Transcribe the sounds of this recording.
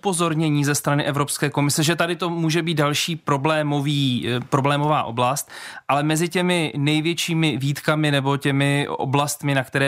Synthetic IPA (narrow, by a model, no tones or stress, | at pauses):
upo̞zo̞ɾɲɛɲiːzɛst̪ɾanɪʔɛvɾo̞pskɛːko̞mɪsɛʒɛt̪adɪt̪o̞muːʒɛbiːt̪dalʃiːpɾo̞blɛːmoviːpɾoblɛːmo̞va̰ːʔo̞blast̪̚ʔalɛmɛzɪcɛmɪnɛjvjɛt͡ʃiːmɪviːt̪kamɪnɛbo̞cɛmɪo̰blast̪mɪnakt̪ɛɾɛː